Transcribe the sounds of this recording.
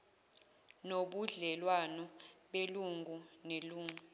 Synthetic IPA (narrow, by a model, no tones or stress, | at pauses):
noɓuɮɛlwanɔɓeluŋɡʱuneluːŋu